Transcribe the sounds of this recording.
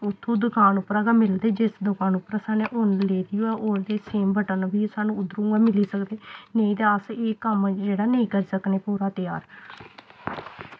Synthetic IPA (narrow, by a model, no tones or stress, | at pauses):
ʊt̪ʰːũːd̪ʊkʰaːnʊpɾaːɡaːmɪld̪eːd͡ʒɪsd̪ʊkaːnʊpɾaːsaːneːʔʊnleːd̪ɪjoːɛːʔond̪eːseːmbəʈənbiːsaːnũːʊd̪ɾũːɡaːmɪliːsəkd̪eːnəĩːd̪eːəseːkəmd͡ʒeːɽaːnəĩːkəɾiːsəkneːpuːɾaːt̪ɪjaːɾ